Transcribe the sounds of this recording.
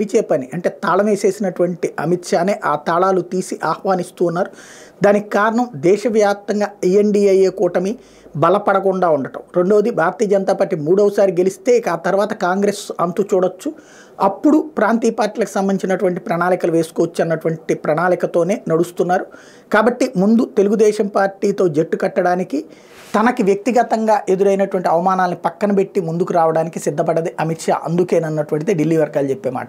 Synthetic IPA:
it͡ʃɛːpɐniʔɐɳʈe̞ːt̪aːɭɐmeːse̞ːsinɐʈuʋɐɳʈiɐmit̪ʂaːneːʔaːt̪aːɭaːlut̪iːsiʔaːhʋaːnist̪uːunːaːɾud̪aːnikikaːɾɐɳɐmd̪ɛːʃɐʋjaːp̚t̪ɐŋɡaːijeɳɖiːɐjeːkɔːʈɐmi | bɐlɐpɐɽɐkuɳɖaːuɳɖɐʈɐ̰mɾe̞ɳɖo̞ːd̪ibʱaːɾɐt̪ijɐd͡ʒɐnt̪aːpaːɾʈːimuːɽɐʋɐsaːɾiɡelist̪e̞ːikaːt̪ɐɾʋaːt̪ɐkaːŋɡɾeːsɐnt̪ut͡ʃuːɽɐt͡ʃːu | ɐpːuɽupɾaːnt̪iːjɐpaːɾʈiːlɐku̥sɐmbɐnit͡ʃinɐʈuʋɐɳʈipɾɐnaːlikɐluʋe̞ːsu̥koːɐt͡ʃːɐnːɐʈuʋɐɳʈipɾɐnaːlikɐt̪o̞ːne̞ːnɐɽust̪unːaːɾu | kaːbɐʈːimund̪ut̪e̞luɡud̪ɛːʃɐmpaːɾʈiːt̪o̞ːd͡ʒeʈːukɐʈːɐɽaːniki | t̪ɐnɐkiʋjɐk̚t̪iɡɐt̪ɐŋɡaːʔe̞d̪uɾɐjnɐʈuʋɐɳʈiɐʋɐmaːnaːlnipɐkːɐnɐpe̞ʈːimund̪ukuɾaːʋɐɽaːnikisid̪ʱːɐpɐɽɐd̪iʔɐmiʈʂa̰ːʔɐnd̪ukeːnɐnːɐʈuʋɐɳʈid̪eːɖilːiːʋɐɾɡaːlut͡ʃe̞pːe̞ːma̰ːʈɐ

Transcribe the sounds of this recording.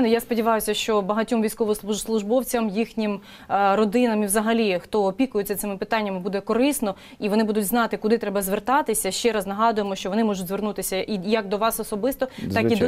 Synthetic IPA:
nʊjaspɔdʲiʋɑjʊsʲɐʃt͡ʃɔbɐɦɐtʲɔmʋʲijsʲkɔʋɔsslˠʊʒbɔwt͡sʲɐmjixnʲim | rɔd̪ɪnɐmiʋzɐɦɐlʲixt̪ɔːpʲikʊjɪt͡sʲːɐt̪sɪmɪpɪt̪ɑnʲːɐmɪbud̪ɛkɔɾɪsnɔ | iʋɔnɪbud̪ʊtʲznɑt̪ɪkʊd̪ɪt̪ɾɛbɐzʋert̪ɑt̪ɪsʲɐʃt͡ʃɛɾɑznɐɦɑd̪ʊjemɔʃt͡ʃɔʋɔnɪmɔʒʊtʲzʋernut̪ɪsʲɐʔijɐɡ̚d̪ɔʋɑsɔsɔbɪst̪ɔt̪ɑid̪

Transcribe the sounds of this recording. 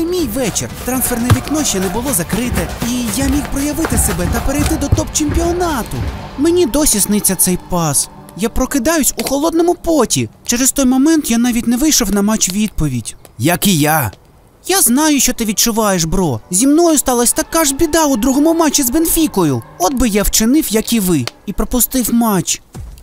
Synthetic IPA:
mʲijʋɛt͡ʃert̪ɾansfɛrnɐʋʲiknɔʃʲɛnɛbʊlˠɔzɐkɾɪt̪ɛijamʲixpɾɔjɐʋɪt̪ɪsebɛt̪ɐpeɾejt̪ɪd̪ɔt̪ɔp̚t͡ʃemʲpʲiɔnɑt̪ʊ̰menʲid̪ɔsʲisnɪt͡sʲːɐt̪sɛjpɑs | japɾɔkɪd̪ɑjʊsʲuxɔlˠɔd̪̚nɔmʊpɔtʲit͡ʃɛɾɛst̪ɔjmɔmɛnt̪janɑʋʲitʲnɛʋɪjʃɔwnɐmɑt͡ʃʋʲid̪̚pɔʋʲidʲjɐkija | jaznɑjʊʃt͡ʃɔt̪ɪʋʲid̪̚t͡ʃʊʋɑjeʃbɾɔzʲimnɔjʊst̪ɑlˠɐsʲt̪ɐkːaʒbʲid̪ɑʊd̪ɾuɦɔmʊmɑt͡ʃʲːizbenfʲikɔjʊɔd̪̚bɪjawt͡ʃɪnɪwjɐkiʋɪipɾɔpʊst̪ɪwmɑt͡ʃ

